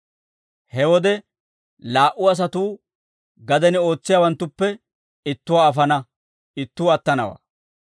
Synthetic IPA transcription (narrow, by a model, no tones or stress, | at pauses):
hɛwɔd̪ɛ | laːʔʊɐs̬ɐt̪uː | ɡɐd̪ɛnɪo̞ːt͡sːɪjaːwɐnt̪ːʊpːɛ | ɪt̪ːʊwaːfɐnɐ | ɪt̪ːuːɐt̪ːɐnɐwa̰ː